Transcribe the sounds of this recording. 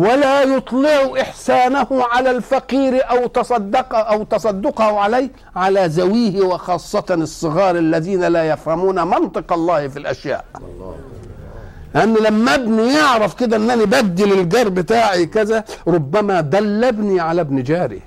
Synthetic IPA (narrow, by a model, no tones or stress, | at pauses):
walaːjʊt̪ˤlɪʕʔɪħsaːnahʊʕalalfaqiːɾʔawt̪ɑsˤɑd̪ːɑqʔawt̪ɑsˤɑd̪ːʊqɑhʊʕalaj | ʕalazawiːhɪwɪxɑːsˤːɑt̪ɨsˤːɨɣɑːɾˤalːaðiːnalajafhamuːnamɑnt̪ˤɨqɑlˤːɑːhfilʔaʃja̰ːʔ | lɪʔanːlamːbnijɪʕɾɑfkɪd̪aʔɪnːʔanibad̪ːɪlɪlɡɑɾˤbɪt̪aːʕikazaɾˤʊbːamad̪ælːabniʕalabnid͡ʒaːɾḭ